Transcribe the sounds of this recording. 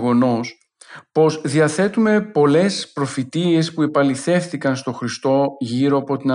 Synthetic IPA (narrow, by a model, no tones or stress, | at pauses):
ɣo̞no̞s | po̞zðiɐθe̞t̪ume̞po̞le̞spɾo̞fit̪ie̞spue̞pɐliθe̞fθikɐnst̪o̞xɾist̪o̞ʝiɾo̞ɐpo̞t̪inɐ